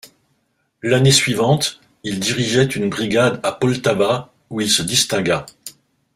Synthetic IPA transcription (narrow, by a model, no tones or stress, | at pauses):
lanesɥivɑ̃t̪ | ild̪iʁiʒɛt̪ynbʁiɡad̪apɔlt̪aba | uilsəd̪ist̪ɛ̃ɡa